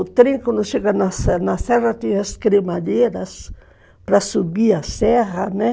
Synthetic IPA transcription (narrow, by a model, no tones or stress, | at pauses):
t̪ɾĩŋkõnd̪ʊʃeɡanasnasɛrat̪ihaskɾemaʎeɾas | pɾasubiasɛɦane